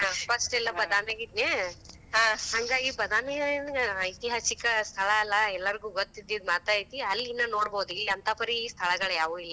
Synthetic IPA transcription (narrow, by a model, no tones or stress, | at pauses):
ɦãpʰɐsʈɛlːɐbɐd̪aːneɡid̪neː | ɦãːhaŋɡaːɡibɐd̪aːnenɐjt̪iɦaːsikɐst̪ʰɐɭɐːlːɐɛlːɐɾiɡuːɡot̪ːid̪ːid̪maːt̪aːjit̪iɐlːinːɐno̞ːɽboːd̪uilːiɐnt̪ʰɐpɐɾist̪ʰɐɭɐɡɐɭjaːʋuːilːɐ